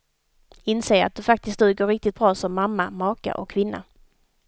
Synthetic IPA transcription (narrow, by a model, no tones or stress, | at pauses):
ɪnseːɾa̰t̪̚d̪ɵfak̚t̪ɪskt̪ʉːɡoːɾɪk̚t̪ɪt̪̚b̥ɾɑːsɔmːamːamɑːka̰ʔɔkʰːvɪnːa̰